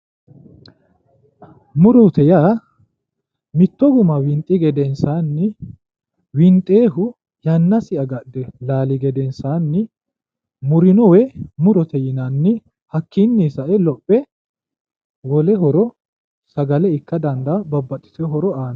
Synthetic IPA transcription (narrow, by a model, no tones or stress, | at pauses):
mʊɾɔt̪ɛja | mɪt̪ːɔɡʊmɐwɪnt̪ʼːɪɡɛd̪ɛnsaːnːɪ | wɪnt̪ʼːeːɦʊ | jɐnːɐsɪʔɐɡɐdd̪ɛlaːlɪɡɛd̪ɛnsaːnːɪ | mʊɾɪnɔwɛmʊɾɔt̪ʰɛjɪnanːɪ | hɐkːɪnːiːsɐʔɛlɔpʼːɛ | wɔlɛɦɔɾɔ | sɐɡɐlɛɪkːɐd̪ɐnd̪ɐbɐbːɐt̪ʼːɪ̥t̪ɛɦɔɾɔaːn